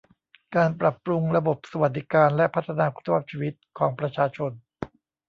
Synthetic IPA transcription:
kaː˧npɾa˨˩pɾu˧ŋɾa˧bo˨˩p̚sa˧wa˨˩t̪̚d̪i˦˥kaː˧nlɛ˦˥pʰa˦t̪ʰːa˧naː˧kʰu̥˦˥t̪ʰːa˧waː˦˥p̚t͡ɕʰiː˧wi˦˥t̪̚kʰɔː˩˦ŋpɾa˧t͡ɕʰaː˧t͡ɕʰo˧n

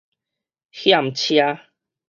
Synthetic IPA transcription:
hja˨m̩˨t͡ɕʰja˧˦

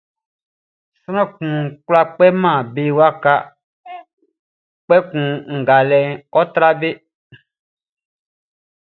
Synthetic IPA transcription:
sɾ̃ɔ̃˦kũ˨kla˦k͡pɛ˦mã˦˨be˨wa˦ka˦ | k͡pɛ˦kũ˨ŋ̩˨ɡa˨lɛ˨ɔ˦t̪ɾa˦be˦

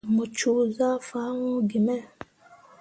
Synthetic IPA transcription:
mu˨t͡ʃu˨za˦fa˨˦ŋũ˦ɡi˨mɛ˦

